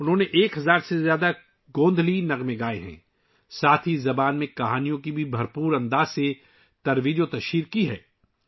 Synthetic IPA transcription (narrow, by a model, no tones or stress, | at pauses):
ʊnɦõːneʔeːkɦɐzaːɾsezjaːd̪a | ɡõːnd̪ʱlinɐɣmẽɡaːeɦɛ̰̃ː | saːt̪ʰizɐbaːnmẽkɐɦaːnijõkibʱibʱɐɾpuːɾɐ̃nd̪aːzse | t̪ɐɾʋiːd͡ʒõt̪ɐʃiːɾkiɦɛ̰ː